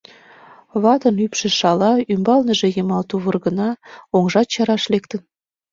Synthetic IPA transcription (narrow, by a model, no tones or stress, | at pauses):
βɑt̪ɤnypʃĕʃɑlɑymbɑlnə̆ʒĕjemɑlt̪uβɤrɣə̆nɑoŋʒɑt̪ɕɑɾɑʃlekt̪ə̆n